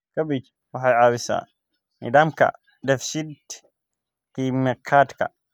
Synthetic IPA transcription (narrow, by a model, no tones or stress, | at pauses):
kʰɐbɪt͡ʃ | wɑħɑjʕɑːwɪsa̰ː | ḭːd̪aːmkʰɐ̰ | dɐfʃid̪ | qiːmɛkʰaːt̪kʰɐ̰